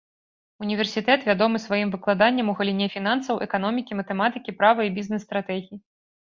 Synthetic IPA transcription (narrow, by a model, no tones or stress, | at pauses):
unʲivʲɛrsʲit̪ɛt̪vʲad̪ɔmɨsvajimvɨklˠad̪anʲːɐmuɣɐlʲinʲɛfʲinansɐwʔɛkanɔmʲikʲimɐt̪ɛmat̪ɨkʲipɾavɐibʲiznɛsːt̪ɾat̪ɛɣʲiji